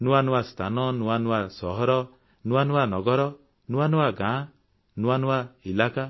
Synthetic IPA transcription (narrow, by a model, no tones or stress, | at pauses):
nuwanuwast̪ʰanɔnuanuwasɔɦɔɾɔ | nuwanuwanɔɡɔɾɔ | nuwanuwaɡã | nuwanuwailaka